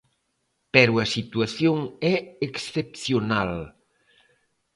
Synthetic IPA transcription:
pɛɾuɐsit̪uaθjoŋɛeksθepθjonal

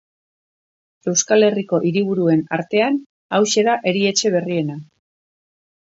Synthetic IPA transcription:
e̞wskale̞riko̞ʔiɾiβ̞uɾue̞na̰ɾt̪e̞an | awʃe̞ɾaʔe̞ɾie̞t͡ʃe̞β̞e̞rie̞na

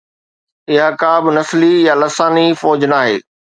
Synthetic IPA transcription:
ɪɦakaːbɪnɐslijalɐsaːnifɔːd͡ʑnaːɦḛː

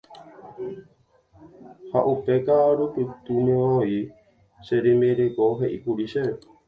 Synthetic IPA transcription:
haʔupekaɾupɨt̪umẽoi | seɾimeɾekoɦeʔipuɾiʃee

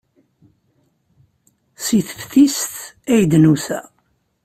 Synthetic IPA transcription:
siθəfθist̪ | æjd̪nusæ̰

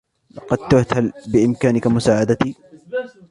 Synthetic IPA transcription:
lɑqɑd̪̚t̪ʊht̪halbɪʔɪmkaːnɪkamʊsaːʕad̪at̪iː

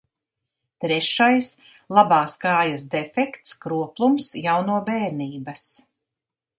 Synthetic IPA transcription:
t̪ɾɛʃajs | lˠabaːskɑːjas̬d̪ɛfɛkt̪skɾuɔplˠumsjawnuɔbɛːɾniːbɐs

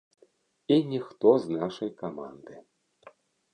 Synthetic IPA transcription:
inʲixt̪oznɑʃɐjkamɑ̰nd̪ɨ

